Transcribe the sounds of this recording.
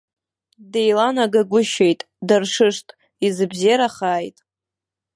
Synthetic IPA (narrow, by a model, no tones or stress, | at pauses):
dejlanaɡaɡʷʊʃejtʼ | darʂɨʂtʼ | izɨbzɾaχaːjtʼ